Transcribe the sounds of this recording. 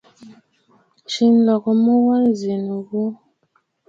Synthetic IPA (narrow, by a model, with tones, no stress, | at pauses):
t͡ʃi˦n˦lɔ˨kɔ˨mə˦wɔ˦n˦zi˨nu˨ɣu˦